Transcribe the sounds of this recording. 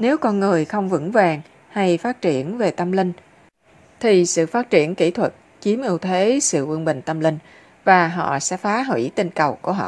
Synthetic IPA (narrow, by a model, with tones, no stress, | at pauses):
ne˨˦wkɔ˧nŋɨ˨˩əjxə˧wŋ͡mvɨ̰˧˥ŋvaː˨˩ŋ | ha˧jfaː˦˥t̚t͡ɕi˧˩ənve˨˩t̪ə˧mlï˧ŋ̟ | t̪ʰi˨˩sɨ̰˧˨faː˦˥t̚t͡ɕi˧˩ənki˧˩˥t̪ʰwə˨˩t̚ | t͡ɕi˨˦əmʔɨ˧əwt̪ʰe˨˦sɨ̰˧˨kwi˧ənɓï˨˩ŋ̟t̪ə˧mli˧ŋ̟ | vaː˨˩ɦɔ̰˧˨sɛ̰˧˥faː˨˦ɦwḭ˧˩t̪i˧˩ŋnkə˨˩wku˧˩əɦɔ̰˧˨